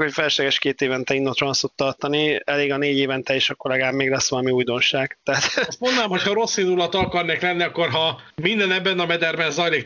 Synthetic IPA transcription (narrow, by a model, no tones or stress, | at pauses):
kho̞cfɛlʃlɛɡɛʃkeːt̪eːvɛnt̪ɛinːot̪rɒnsut̪ːɒrt̪ɒniɛleːɡɒneːɟeːvɛnt̪ɛeːʃɒkolɛɡaːbmeːɡlɛsːʋɒlɒmiujd̪o̞nʃaːɡ̥t̪aːt̪st̪mo̞nd̪naːmho̞chɒɾo̞sːind̪ulɒt̪kɒrneːklɛnːiɒkːo̞rɦɒmind̪ɛnɛbːɛnɒmɛd̪ɛrbɛnzɒjliːk